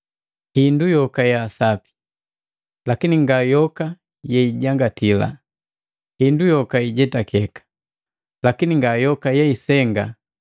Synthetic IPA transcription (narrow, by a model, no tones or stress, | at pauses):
hindujɔkajasapi̥ | lakiniŋɡajɔka | jɛiɟaŋɡatʰila̰ | hindujɔkaiɟɛtakʰɛkḁ | lakiniŋɡajɔkajɛisɛŋɡa